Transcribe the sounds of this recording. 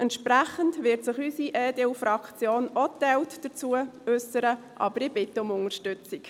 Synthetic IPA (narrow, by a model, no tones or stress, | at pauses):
ʔɛnt̪ʃpɾæχəntʋɪɾtsɪχysiʔeːdeufɾɑkt͡sjoːnotɛltd̥ət͡suəʉsəɾə | ʔɑ̰bəɾɪb̥ɪt̪ːəʊmʊŋəɾʃtʉt͡sik